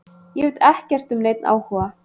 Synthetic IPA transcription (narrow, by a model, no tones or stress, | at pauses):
jɛvʏt̪ɛhcɛr̥t̪ʏmneːjt̪̚nʔa̰ːwhuːva